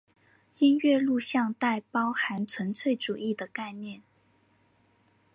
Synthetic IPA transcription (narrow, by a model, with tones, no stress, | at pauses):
i˥nɥɛ˥˧lu˥˧ɕjɑ˥˧ŋt̪a˥˩ɪpɑ˥ʊxa˧˥nt͡sʰwə˧˥nt͡sʰwe˥˩ɪʈ͡ʂu˨˩ʔi˥˩d̪ə˩ka˥˧ɪnjɛ˥˩n